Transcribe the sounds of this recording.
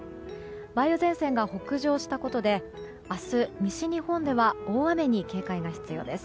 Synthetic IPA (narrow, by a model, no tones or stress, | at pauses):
baijozẽ̞ɰ̃sẽ̞ŋɡaho̞kɯ̟ʑo̞ːɕi̥t̪ako̞t̪o̞d̪e̞ | asɨmʲiɕiɲ̟ihõ̞nd̪e̞βao̞ːβame̞ɲ̟ike̞ːkaiɡaçi̥t͡sɨjo̞̰ːd̪e̞sɨ̥